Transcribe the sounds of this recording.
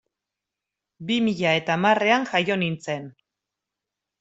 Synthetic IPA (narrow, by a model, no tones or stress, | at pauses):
bimiʎae̞t̪amare̞aŋʝajo̞nint͡se̞n